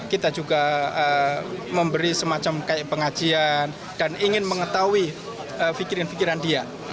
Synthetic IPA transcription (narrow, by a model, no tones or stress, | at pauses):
kit̪ad͡ʒuɡaəməmbəɾisəmat͡ʃamkajaʔpəŋḁd͡ʒ̥ian | d̥aniŋɪnməŋət̪awi | əfikiɾənfikiɾandia